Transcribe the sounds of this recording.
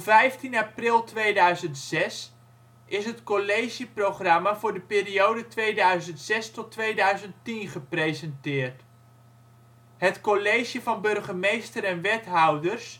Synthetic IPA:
ɔvɛjftinaprɪlˠtʋejdœɥzəntsɛs | ʔɪsɦətkolejʒiprowχrɑmavʊːɹdəpɪːriowdətʋejdœɥzəntsɛstɔtʋejdœɥzənttinχəprejzəɛntɪːɹt | ɦətkolejʒjəvɑnbɵrχəmejstəɾɛnʋɛtɦʌwdərs

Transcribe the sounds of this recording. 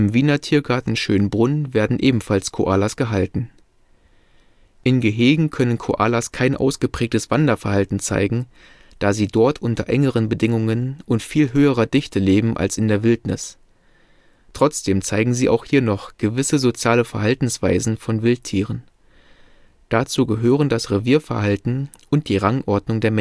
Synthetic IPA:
ʔɪmviːnɐtʰiːɐɡaɐtn̩ʃøːnbʁʊnveːɐdn̩ʔeːbm̩falskʰo̰ʔaːlasɡ̥əɦaltn̩ | ʔɪnɡəɦeːɡŋ̩kʰœnənkʰoʔa̰ːlaskʰaɪnʔa̰ʊsɡ̥əpʁ̥ɛːk̚təsv̥andɐfɛɐhaltn̩t͡sa̰ɪɡŋ̩ | d̥aːziːdɔɐtʰʔʊntɐʔɛ̰ŋəʁənbədɪŋʊŋənʔʊntfiːlɦøːəʁ̞ɐdɪçtəleːbm̩ʔa̰lsɪndeːɐvɪltnɪs | tʁ̥ɔt͡sd̥eːmt͡saɪɡŋ̩ziːʔa̰ʊxhiːɐnɔχɡ̥əvɪsəzot͡sjaːləfɛɐɦaltn̩sv̥a̰ɪzn̩fɔnvɪltʰːiːʁ̞ən | d̥at͡suːɡəɦøːʁ̞əndasʁeviːɐfɛɐɦaltn̩ | ʔʊnt̚d̥iːʁaŋʔɔɐdnʊŋdeːɐmɛ

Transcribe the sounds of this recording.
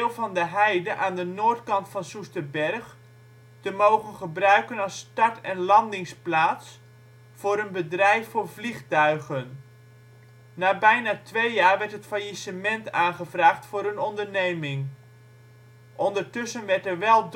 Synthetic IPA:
lˠvɑndəɦɛjdəʔaːndənoːɹtkɑntfɑnsustəbɛɹχ | təmowχənχəbrœɥkənɑstɑɹtɛnlɑndɪŋsplaːts | fʊːɾənbədrɛjfʊːɹvliχtœɥχən | aːbɛjnaːtʋejjaːɹʋɛɹtɦətfajisəmɛntaːnχəvraːχtfʊːɾənɔndəɹnejmɪŋ | ʔɔndəɹtɵsənʋɛɹtɛɹʋɛlˠd

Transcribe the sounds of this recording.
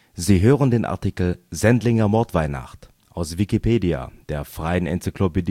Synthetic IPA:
ziːɦøːʁ̞əndeːnʔa̰ɐtikl̩zɛntlɪŋɐmɔɐtv̥aɪna̰χt | ʔaʊsv̥ikipʰeːdia̰d̥eːɐfʁ̥aɪənʔɛ̰nt͡sikloped

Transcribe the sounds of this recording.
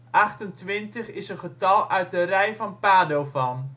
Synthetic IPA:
ʔɑχtəntʋɪntəχɪsənχətɑlˠœɥt̚ərɛjfɔnpaːdowfɔn

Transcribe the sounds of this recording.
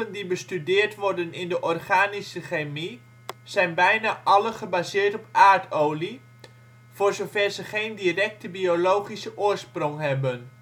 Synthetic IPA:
əndibəstydɪːɹtʋɔɹdənɪndəʔɔrχaːnisəχejmi | z̥ɛjnbɛjnaːʔɑləχəbaːzɪːɹtɔpaːɹtowli | v̥ʊːɹzovɛrzəχejndirɛk̚təbiolowχisəʔʊːɹsprɔŋɦɛbən

